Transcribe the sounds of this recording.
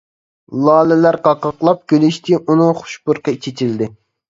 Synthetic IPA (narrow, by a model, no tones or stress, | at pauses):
lˠɑːlɪlæɾqɑqɑqlˠɑp̚kʲʰølɪʃt̪ʰɪʔunɨχʊ̥ʃpʊɾqɑit͡ʃʰet͡ʃʰild̪ɪ